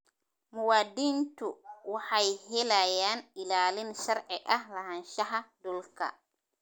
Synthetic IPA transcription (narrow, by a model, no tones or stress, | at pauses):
mʊwaːd̪int̪uwaħajɦɛlajaːnɪlaːlɪnʃaɾʕɪʔɐhlɐhanʃaɦadɔlkɐ̰